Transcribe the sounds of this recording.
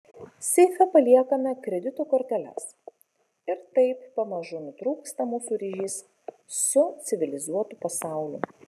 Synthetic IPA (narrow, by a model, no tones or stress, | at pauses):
sʲɛɪfʲɛpɐlʲiɛkɐmʲɛkɾʲɛd̪ʲɪt̪uːkɔɾʲt̪ʲɛlʲɛ̰s | ɪɾt̪ɐɪpːɐmɐʒʊnʊt̪ɾuːkst̪ɐmuːsuːɾʲiːʒʲiːs | sʊt̪sʲɪʋʲɪlʲɪzuɔt̪upɐsɑˑʊlʲṵː